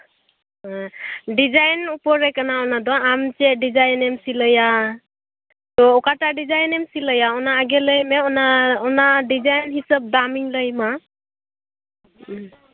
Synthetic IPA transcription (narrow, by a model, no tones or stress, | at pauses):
dizajnupɔɾekanaɔnadɔamt͡ʃedizajnemsiləja | tɔɔkatadizajnemsiləjaɔnaːɡeləjmeɔnaɔnadizajnɦisəp̚damiŋləjma